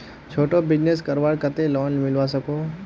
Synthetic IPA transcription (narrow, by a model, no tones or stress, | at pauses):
t͡ʃʰoːʈobɪd͡ʒnes̬kəɾʋaːɽkət̪elɔːnmɪlʋasəkoː